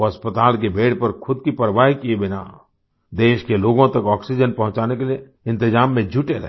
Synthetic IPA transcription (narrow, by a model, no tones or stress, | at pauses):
ɐspət̪aːlk̬ebʱeːɽpɐɾxʰʊd̪̚kipɐɾəʋaːɦikiebɪna̰ː | d̪eːʃkeloːɡõt̪ɐkɔːksid͡ʒənpɐɦʊ̃t͡ʃaːnekelie | ɪ̃nt̪ɪd͡ʒaːmːẽd͡ʒuʈeɾɛ̰ɦ